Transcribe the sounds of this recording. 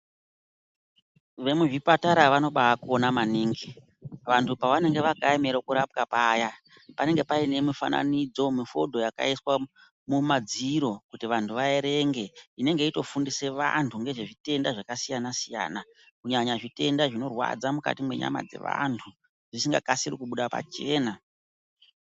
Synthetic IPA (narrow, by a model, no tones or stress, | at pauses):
ʋe̞muʐipataɾaʋano̞ɓaakuonamaniːŋɡi | ʋantʰupaʋane̞ŋɡe̞ʋaɡʱaemeɾokuɾap̚kapaja | pane̞ŋɡe̞paine̞mifa̰na̰nid͡zo̞mifodʱo̞jaka̰iswa | mumad͡ziɾo̞kutiʋantʰuʋaeɾe̞ŋɡe̞ine̞ŋɡe̞ito̞fundise̞ʋa̰ntʰuŋɡe̞ʐe̞ʐite̞ndaʐakasijanasija̰ːna | kuɲaɲaʐite̞ndaʐino̞rwa̰d͡zamuka̰timwe̞̰ɲa̰ma̰d͡ze̞̰ʋa̰ntʰu | ʐisiŋɡa̰kasirikuɓuɗapa̰t͡ʃe̞ːna